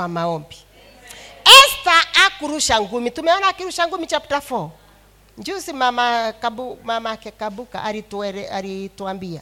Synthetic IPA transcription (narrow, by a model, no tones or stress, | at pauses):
amaɔmbi | ɛstaakuɾuʃaŋɡumitumɛɔnakiɾuʃaŋɡumit͡ʃaputafɔɔ | ɲd͡ʒusimamakabumamakɛkabuka̰ʔaɾitɛɾɛaɾituambia̰